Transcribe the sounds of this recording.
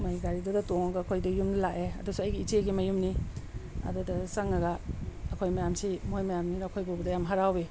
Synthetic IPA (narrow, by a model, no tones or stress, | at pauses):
mɐjɡaɾidudɐtoŋɐɡɐːkʰojdɐjumnɐlaʔeɐ̰dusuɐjɡiit͡ʃeɡimɐjumni | ɐ̰dudɐsɐŋɐɡɐːɐkʰojmajamsimojmajamninɐkʰojbubɐdɐjamɦaɾawi